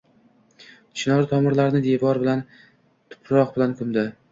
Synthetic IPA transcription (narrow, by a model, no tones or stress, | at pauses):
t͡ʃʰɪnɒɾt̪ʰɒmɪɾlaɾnɪd̪evɒɾbɪlan | t̪ʰʊ̥pʰɾɒq̚bɪlankʰʊmd̪ɪ